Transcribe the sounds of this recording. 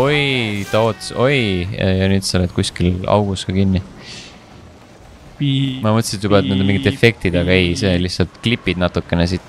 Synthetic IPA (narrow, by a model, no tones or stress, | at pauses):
ojt̪ɑoːt̪ːso̞j̰jɑnyːd̪sɑoled̪̚kuskilɑ̰wɡ̥uskɑkinːi | mɑmɤt̪ːˑsid̪jubɑet̪ned̪umiŋɡit̪efe̞k̚t̪id̪ɑɡɑejse̞lihsɑlt̪klipːˑid̪nɑt̪ːˑukːˑe̞nes̬it̪ːˑ